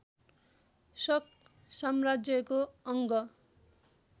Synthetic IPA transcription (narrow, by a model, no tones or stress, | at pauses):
sʌk | samrad͡zjʌkoʌŋɡʌ